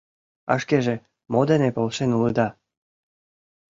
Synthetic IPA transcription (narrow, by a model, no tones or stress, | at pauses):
ɑ̰ʃkeʒĕ | mod̪ĕnepolˠʃenulɯd̪ɑ